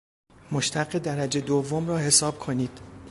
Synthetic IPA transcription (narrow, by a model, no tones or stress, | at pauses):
moʃt̪ʰæɢed̪æɾæd͡ʒe̞d̪ovːomrɒːhe̞sɒːb̥̚kʰo̞niːd̪̥